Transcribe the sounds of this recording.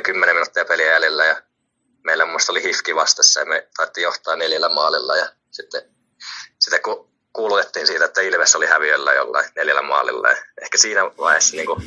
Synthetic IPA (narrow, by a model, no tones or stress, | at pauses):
kymːeneminut̪ːiɑpeliæjælelːæjɑ | meilːæmumːˑust̪olihifkiʋɑst̪esːɑjɑmet̪ɑˑit̪ːijoht̪ˑɑːnneljælːæmɑːlilːɑ̰jɑ | sit̪ːe | si̥t̪ːekku | kuːlut̪et̪ːiːnsiːt̪æet̪ːæilmesːolihæʋiølːæ̰jo̰lːɑ̰ineljælːæ̰moɑ̰lḭlːɑ̰jɑ̰ehkæsiːnæʋɑˑehesːɑniːŋku